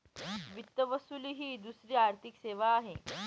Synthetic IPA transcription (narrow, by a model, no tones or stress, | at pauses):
ʋit̪ːəʋəsuliːɦiːd̪usɾiːaɾt̪ʰikseʋaːɦe